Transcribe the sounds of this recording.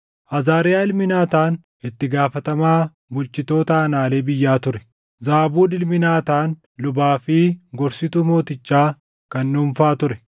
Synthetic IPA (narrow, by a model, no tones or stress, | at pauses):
ʔɐzaːɾɪjaːɪlmɪnaːt̪aːn | ʔɪt̪ːɪɡaːfɐt̪ɐmaː | bʊlt͡ʃɪt̪o̞ːt̪ɐːnaːleːbɪjːaːt̪ʊɾɛ̥ | zaːbuːᶑɪlmɪnaːt̪aːn | lʊbaːfɪɡɔɾsɪt̪uːmo̞ːt̪ɪt͡ʃːaː | kɐnːuːmfaːt̪ʊɾɛ